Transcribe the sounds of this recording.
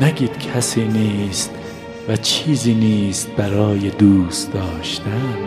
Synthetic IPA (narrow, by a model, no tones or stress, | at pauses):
næɡiːd̪̥kʰæsiːniːst̪ | væt͡ʃʰiːziːniːst̪̚bæɾɒːjed̪uːst̪d̪ɒːʃt̪æn